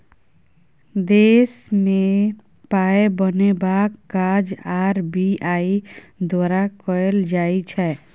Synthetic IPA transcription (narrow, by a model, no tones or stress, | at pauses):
d̪esme | paebənebakːad͡ʒaɾbʱiai | d̪waɾakɔeld͡ʒait͡ʃʰɛ